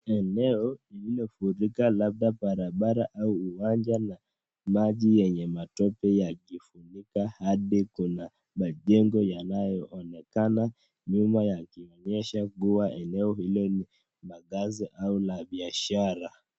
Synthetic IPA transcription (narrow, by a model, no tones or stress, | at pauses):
ɛnɛɔililɔfuɾikalab̚ɗaɓaɾaɓaɾaʔauuwand͡ʒana | maʄijɛɲɛmatɔpɛjakifunikahaɗikuna | maʄɛŋɡɔjanajɔʔɔnɛkana | ɲumajakiɔɲɛʃakuwaʔɛnɛɔhilɔni | maɠaziʔaulaɓiaʃaɾa